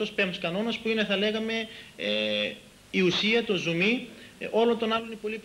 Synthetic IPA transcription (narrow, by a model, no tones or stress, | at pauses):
ospemskɐno̞nɐspuine̞θɐle̞ɣɐme̞ | iusiɐt̪o̞zumio̞lo̞nt̪o̞nɐlo̞ninepo̞lip